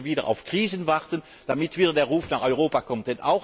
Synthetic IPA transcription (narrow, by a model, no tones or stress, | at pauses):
viːdəʁʔa̰ʊfkʁ̥iːzənvaʁtən | d̥amɪtv̥iːdɐdeːɐʁuːfnaːχɔʏʁoːpakʰɔmt̚d̥ɛna̰ʊx